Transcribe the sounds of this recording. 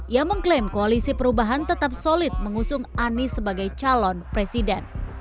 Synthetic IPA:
ʔiaməŋklɛmkoalisipəɾubaɦant̪ət̪ap̚solɪt̪̚məŋusʊŋanisəbaɡajt͡ʃalɔnpɾesidɛn

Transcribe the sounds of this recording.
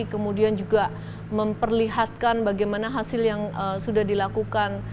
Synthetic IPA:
kəmudiand͡ʒuɡa | məmpərliɦat̪̚kanbaɡajmanaɦasɪljaŋəsudahdilakukan

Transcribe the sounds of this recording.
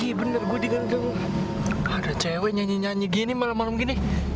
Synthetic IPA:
ibənərɡuadikandaŋ | adat͡ʃawɛɲaɲiɲaɲiɡinimalamːalamɡini

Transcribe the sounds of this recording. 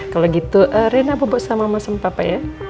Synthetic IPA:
kaloɡit̪uʔəɾenababɔʔsamamasəmpapaja

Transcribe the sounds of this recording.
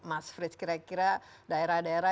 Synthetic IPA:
masfɾiskiɾakiɾadaeɾahdaeɾa

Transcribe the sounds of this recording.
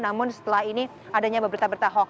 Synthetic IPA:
namʊnsə̥t̪əlahini | adaɲabəbəɾit̪abəɾit̪aɦɔ

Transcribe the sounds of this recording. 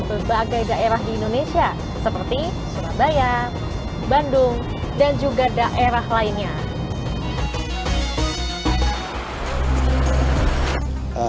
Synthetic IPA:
bərbaɡajdaʔeɾahdiːndonesia | səpərt̪i | suɾabaja | bandʊŋ | dand͡ʒuɡadaʔeɾahlainɲa

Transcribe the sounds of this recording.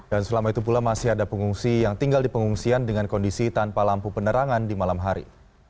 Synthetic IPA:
dansəlamait̪up̬ulamasɪɦadapəŋuŋsijaŋt̪iŋɡaldipəŋuŋsiandəŋankɔndisit̪anpalampupənəɾaŋandimalamɦaɾḭ

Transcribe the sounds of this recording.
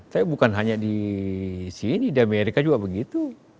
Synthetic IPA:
t̪apibukanɦaɲadi | sinidiameɾikad͡ʒuɡabəɡit̪u

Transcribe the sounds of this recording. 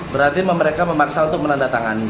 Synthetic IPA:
bəɾart̪iməməɾekaməmaksaunt̪ʊk̚mənandat̪aŋani

